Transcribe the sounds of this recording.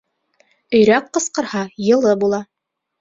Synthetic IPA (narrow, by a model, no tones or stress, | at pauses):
ɵ̆jɾæqːɤ̆sqɤ̆ɾhɑjɤ̆lˠɤbulˠɑ